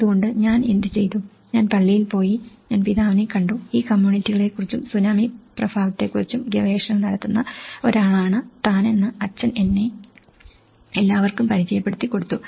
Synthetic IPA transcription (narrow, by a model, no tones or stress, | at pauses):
ɐðuɣo̞ɳɖɨɲaːnend̪it͡ɕe̞jt̪u | ɲaːnpɐɭːijilpo̞ːjiɲaːnpiðaːʋɐnikɐɳɖuiːkɐmjuːɳitːiɣɐɭe̞kːurit͡ɕːumsunaːmiprɐbʱaːʋɐt̪ːe̞kːurit͡ɕːumɡeʋe̞ːʂɐnɐmnɐɽɐt̪ːunːɐo̞ɾaːɭaːɳɨt̪aːne̞nːɨɐt͡ɕːɐne̞nːe̞ | elːaːʋɐrkumpɐɾit͡ɕɐjɐpːe̞ɽut̪ːikːo̞ɽut̪ːu